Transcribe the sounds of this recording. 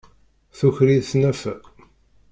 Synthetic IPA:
θuçɾiðθnæfæ

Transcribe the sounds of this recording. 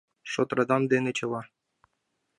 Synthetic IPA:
ʂot̪rɑd̪ɑmd̪enĕt͡ɕɤ̆lɑ

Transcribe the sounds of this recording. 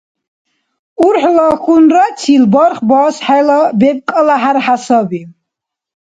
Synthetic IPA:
uɾħlɔxunɾat̪t͡sʰilbɔɾχbɔsħɛlɔbɛb̚kʼəlaħaɾħasɔbi

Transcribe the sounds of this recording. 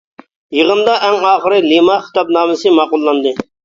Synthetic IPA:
jəʁənd̪ɑʔɛŋɑːχəɾɨlimɑχɪ̥t̪ɑp̚nɑːmɪsɨmɑːqʊlˠːɑnd̪ɨ

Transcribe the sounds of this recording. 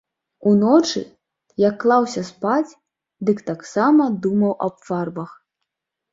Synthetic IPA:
unɔt͡ʂɨ̰ | jɐkːlˠawsʲɐspat͡sʲ | d̪ɨkt̪aksamɐd̪umɐwʔɐ̰bfarbɐx

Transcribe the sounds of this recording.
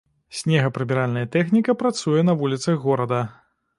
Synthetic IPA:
sʲnʲɛɣɐpɾɨmʲiɾalʲnɐjɐt̪ɛxnʲikɐpɾat̪sujɛn̪ɐvulʲit̪sɐɣːɔɾɐd̪ɐ

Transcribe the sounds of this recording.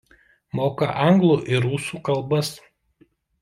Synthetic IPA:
moːkɐ̰ʔɑŋɡlˠuʔɪɾuːsuːkɐlˠˑbɐs

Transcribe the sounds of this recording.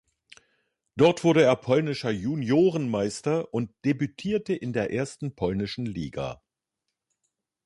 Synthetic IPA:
d̥ɔɐtv̥ʊɐɾəeːɐpʰɔlnɪʃɐjunjoːʁənmaɪstɐʔʊnt̚d̥ebytʰiːɐtəʔɪndeːɐʔeːɐstn̩pʰɔlnɪʃn̩lḭːɡa̰ː

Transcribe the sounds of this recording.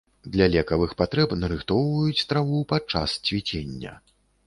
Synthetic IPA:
d̪lʲɐlʲɛkɐvɨxpat̪ɾɛpnɐɾɨxt̪ɔwvɐjut͡sʲst̪ɾavupat͡ʂːa̰st͡sʲvʲit͡sʲenʲːɐ̰

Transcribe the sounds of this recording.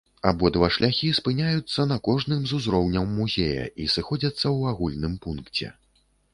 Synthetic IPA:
abɔd̪vɐʂlʲaxʲispɨnʲajut̪sːɐnɐkɔʐnɨmzuzɾɔwnʲɐwːuzʲejɐ̰isɨxɔd͡zʲɐt̪sːɐwaɣulʲnɨmpunkt͡sʲɛ̰

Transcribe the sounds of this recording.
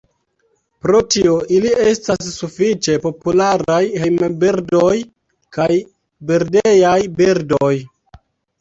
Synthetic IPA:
pɾo̞tio̞ʔilie̞stasːufit͡ʃe̞po̞pulaɾajhejmebiɾdoj | kaj | biɾdejajbiɾdoj

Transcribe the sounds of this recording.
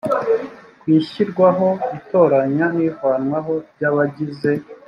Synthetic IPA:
kwiːçiɾɡwaɦo̞βito̞ːɾaɲanikwaːnwaɦo̞bɟaːβaɟize̞

